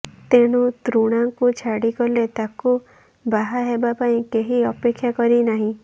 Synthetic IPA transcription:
t̪eɽ̃ut̪ɾuɽ̃aŋkut͡ʃʰaɽikɔlet̪aku | baɦaɦebapaĩkeɦiɔpekʰːjakɔɾinaɦĩ

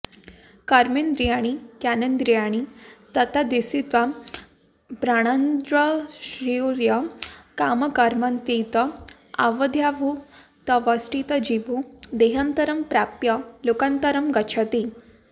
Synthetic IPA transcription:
kaɾmend̪ɾijaɽ̃ikjanənd̪ɾijaɽ̃it̪ət̪ad̪ʋisit̪ʋa | pɾaɽ̃and̪ɾəɕɾiuɾjəkaməkaɾmant̪it̪ə | a̰ʋəd̪ʱjaʋu | t̪əʋəsʈit̪əd͡ʑibud̪eɦant̪əɾəmpɾapjəlokant̪əɾəmɡət͡ʃʰat̪i

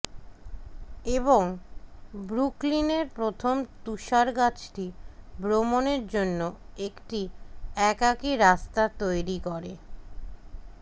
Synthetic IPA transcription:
eboŋ | bɾuklineɾpɾot̪ʰomt̪uʃaɾɡat͡ɕʈibɾomoneɾd͡ʑonːoekʈiɛkakiɾast̪at̪ojɾikoɾe

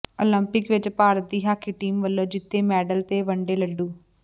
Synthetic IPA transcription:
olɐmpikʋed͡ʒɐpaːɾɐd̪iɦaːkiʈiːmʋɐlːɐd͡ʒit̪ːeːmaːɖɐlt̪eːʋɐɳɖeːlɐɖːu

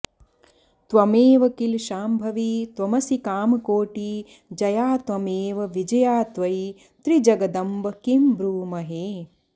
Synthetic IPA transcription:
t̪ʋɐmeːʋɐkilʃaːmbʱɐʋiːt̪ʋɐmɐsikaːmɐkoːʈiː | d͡ʒɐjaːt̪ʋɐmeːʋɐʋid͡ʒɐjaːt̪ʋɐj | t̪ɾid͡ʒɐɡɐd̪ɐmbɐkimbɾuːmɐɦeː

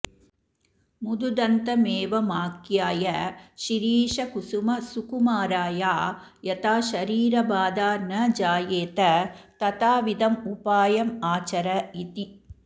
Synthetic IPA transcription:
mud̪ud̪ɐnt̪ɐmeːʋɐmaːkjaːjɐʃiɾiːʂɐkusumɐsukumaːɾaːjaː | jɐt̪aːʃɐɾiːɾɐbaːd̪aːnɐd͡ʒaːjeːt̪ɐt̪ɐt̪aːʋid̪ɐmupaːjɐmaːt͡ʃɐɾɐit̪i

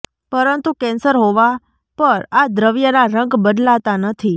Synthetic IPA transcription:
pəɾənt̪ukɛ̃nsəɾɦoʋa | pəɾad̪ɾəʋjənaɾə̃ŋɡbəd̪lat̪anət̪ʰi

